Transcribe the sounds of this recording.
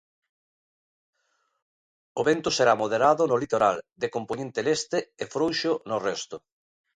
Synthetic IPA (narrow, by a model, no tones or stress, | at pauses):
oβent̪ʊseɾamoðeɾaðʊnolit̪oɾald̪ekomponẽnt̪elest̪ɪefɾowʃonʊrɛst̪ʊ